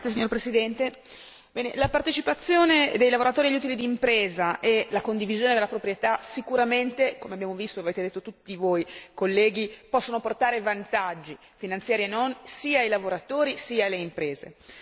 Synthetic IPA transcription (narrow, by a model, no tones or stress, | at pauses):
jes̬iɲoɾpɾesid̪ɛnt̪e | bɛːnelapart̪et͡ʃipat̪sːjoːned̪ejlavoɾat̪oːɾiaʎːut̪ilid̪iːmpɾeːzaʔelakond̪ivizjoːned̪elːapɾopɾjet̪asikuɾament̪ekomeabjaːmovist̪oaveːt̪ed̪et̪ːot̪ut̪ːivojkolːɛːɡipɔsːonoport̪aːɾevant̪ad͡ʒːi | finant̪sjaːɾienːonsiːaːjlavoɾat̪oːɾisiːaleimpɾeːzḛ